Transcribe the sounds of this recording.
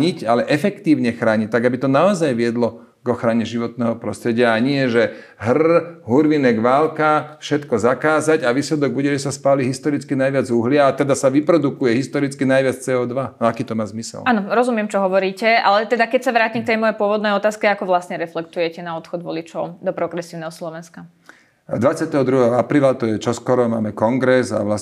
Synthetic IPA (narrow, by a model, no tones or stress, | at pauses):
ɲicalɛʔɛfɛkt̪iːʊɲɛxɾaːɲic̚t̪aɡabit̪ɔnaɔzajʋɪɛd̪lɔ | ɡɔxɾaɲɛʒiʋɔt̪nɛːɦɔpɾɔst̪ɾɛɟɪaaɲɪɛʒɛɦr̩ɦuɾʋinɛɡʋaːlkafʃɛt̪kɔzakaːzaɟaʋiːslɛd̪ɔɡ̚buɟɛʒɛsaspaːliɦist̪ɔɾit͡skinajʋɪad͡zuɦlɪaːt̪ɛd̪asaʋipɾɔd̪ukujɛɦist̪ɔɾit͡skinajʋɪat͡st͡sɛːɔːd̪ʋanɔakiːt̪ɔmaːzmisɛ̰lanɔɾɔzumjɛmt͡ʃɔɦɔʋɔɾiːcɛalɛt̪ɛd̪akɛcsaʋɾaːcimkt̪ɛjmɔjɛpʊɔʋɔd̪nɛjɔt̪aːskɛakɔʋlasɲɛɾɛflɛk̚t̪ujɛcɛnaɔt̪xɔd̪ʋɔ̰lit͡ʃɔʊd̪ɔpɾɔɡɾɛsiːʊnɛɦɔslɔʋɛnska | d̪ʋat͡sɪat̪ɛɦɔd̪ɾuɦɛɦɔapɾiːlat̪ɔjɛt͡ʃɔskɔɾɔmaːmɛkɔŋɡɾɛza̰ʋlas